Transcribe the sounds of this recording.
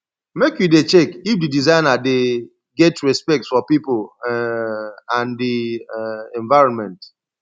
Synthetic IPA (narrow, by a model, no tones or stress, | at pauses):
mekjudet͡ʃɛkifdidizãɪ̃nade | ɡɛtɹɛspɛk̚tsfɔpipl | ãndi | ɛ̃ɱvaɪɹɔ̃nmɛ̃nt